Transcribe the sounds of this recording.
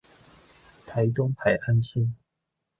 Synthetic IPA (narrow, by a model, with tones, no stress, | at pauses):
t̪ʰa˨˦ɪt̪ʊ˥ŋpʰa˨˩ɪʔa˦nsə˥˦